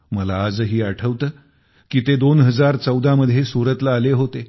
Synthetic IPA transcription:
məlaːd͡zɦiːaʈʰəʋt̪əː | kiːt̪ed̪onɦəd͡zaɾt͡səwd̪ʱaməd̪ʱːjesuɾət̪laːleɦot̪e

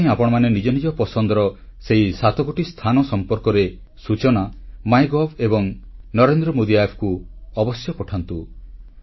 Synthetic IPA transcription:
j̃apɔɽ̃ɔmanenid͡ʒɔnid͡ʒɔpɔsɔnd̪ɔɾɔseɦisat̪ɔɡoʈist̪ʰanɔsɔmpɔɾkɔɾe | sut͡ʃɔnamajɡɔbʰebɔŋnɔɾend̪ɾɔmod̪iajpʰkuɔbɔsjɔpɔʈʰant̪u

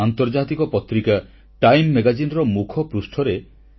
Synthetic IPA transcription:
ant̪ɔɾd͡ʒat̪ikɔpɔt̪ɾika | ʈajmːeɡad͡ʒinɔɾɔmukʰɔpɾusʈʰɔɾe

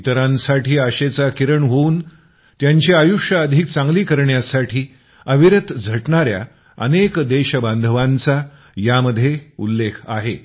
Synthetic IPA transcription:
it̪əɾãnsaʈiːəɕet͡sakiɾəɳɦouːn | t̪jaɲt͡ɕiajuʂəəd̪ʱiːk̚t͡sãŋɡliːkəɾɳjasaʈʰiː | əʋiɾət̪d͡zʱəʈɳaɾja̰ | ə̰nekd̪eɕəband̪ʱəʋãnt͡sa | jaməd̪ʱːjeṵlːekʰa̰ɦe

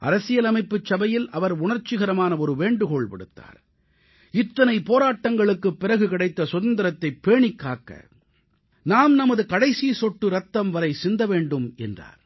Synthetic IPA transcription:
ʔɐ̰ɾɐsɪjɐlɐmɐɪpːɯt͡ʃːɐbɐjɪlɐʋɐɾʊɳɐɾt͡ʃːɪɣɐɾɐmaːnɐɔɾɯʋeːɳɖɯkɔɭpɐɽɯt̪ːa̰ːɾ | ɪt̪ːɐnɐɪpoːɾaːʈːɐŋɡɐɭɯkːɯpːɪɾɐɣɯkɪɽɐɪt̪ːɐsʊðɐnd̪ɐɾɐt̪ːɐɪpːeːɳɪkːaːkːɐ̰ | naːmnɐmɐðɯkɐɽɐɪsisɔʈːɯɾɐt̪ːɐmʋɐɾɐɪsɪnd̪ɐʋeːɳɖɯmɛ̰ndra̰ːɾ

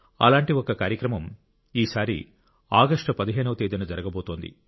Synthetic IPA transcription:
ɐ̰laːɳʈiokɐkaːɾjɐkɾɐmɐm | iːsaːɾḭ | aːɡɐʂʈɐpɐd̪iɦeːnɐʋɐt̪eːd̪inɐd͡ʒɐɾɐɡɐbo̞ːt̪o̞ːnd̪ḭ

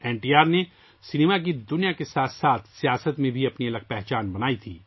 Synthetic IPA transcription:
ɛːɳʈiːaːɾne | sɪneːmak̬id̪ʊnijakesaːt̪ʰsaːt̪ʰsijaːsət̪mẽbʱiɐpniɐlək̚pɛɦt͡ʃaːnbɐnaːit̪ʰḭː

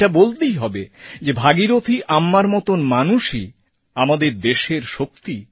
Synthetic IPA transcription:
abolt̪ejɦɔbed͡ʑebʱaɡiɾot̪ʰiʔamːaɾmɔt̪onmanuʃi | amad̪eɾd̪eʃeɾʃok̚t̪i

